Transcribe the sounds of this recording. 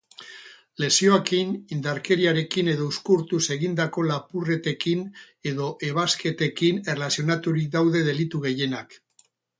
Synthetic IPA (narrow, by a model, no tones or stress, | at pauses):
le̞sio̞akinind̪aɾke̞ɾiaɾe̞kine̞ðo̞uskuɾt̪use̞ɣind̪ako̞lapure̞t̪e̞kin | e̞ðo̞ʔe̞β̞aske̞t̪e̞kine̞relasio̞nat̪uɾik̚d̪awðe̞ð̞e̞lit̪uɣe̞je̞nak